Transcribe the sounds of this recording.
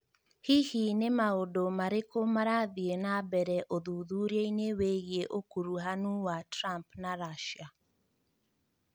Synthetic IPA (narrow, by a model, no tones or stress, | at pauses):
hihinemaodomaɾekomaɾaðienabɛɾɛʔoðuðuɾieineweɣieʔokuɾuɦanuwatɾampnaɾaʃa